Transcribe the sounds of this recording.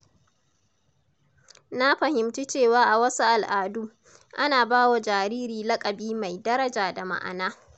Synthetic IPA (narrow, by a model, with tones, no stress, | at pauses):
na˦ɸɐ˨hɪ˨mt͡ʃi˦t͡ʃeː˦˨waː˦ʔa˨wɐ˦su˦ʔa˨lʔaː˨duː˦ | ʔa˦naː˨baː˦wa˨d͡ʒaː˨ɾiː˦ɾiː˨lɐ˦kʼɐ˨biː˦ma˨jdɐ˦ɾɐ˦d͡ʒaː˨da˨ma̰˨ʔa̰˨naː˦